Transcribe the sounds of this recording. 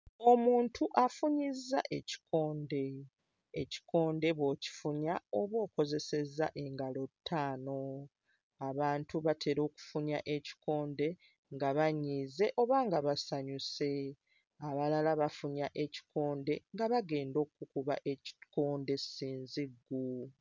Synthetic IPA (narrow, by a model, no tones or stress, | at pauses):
o̞muːntʰuʔafuɲizːa̰ʔe̞ci̥kʰo̞ːnde̞ː | ci̥kʰo̞ːnde̞βwoːci̥fuɲaoβwo̞ːko̞ze̞se̞za̰ʔe̞ŋɡalo̞tʰːaːno̞ | aβaːntuβatʰe̞ɾo̞ːku̥fuɲaʔe̞ci̥ko̞ːnde̞ | ŋɡaβaɲːiːze̞ʔo̞βaːŋɡaβasaɲuse̞ | aβalalaβafuɲaʔe̞ci̥ko̞ːnde̞ŋɡaβaɡe̞ːndo̞ːkːukuβa̰ʔe̞ci̥ko̞ːnde̞siːnziɡːu